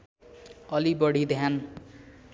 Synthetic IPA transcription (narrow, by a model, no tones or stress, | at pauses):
ʌlibʌɽid̪ʱjan